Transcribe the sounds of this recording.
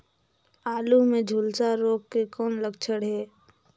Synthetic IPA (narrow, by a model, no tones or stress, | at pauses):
aːlumẽd͡ʒʱuːlsaɾoːɡ̚kekɔːnləɡt͡ʃʰəɽɦɛː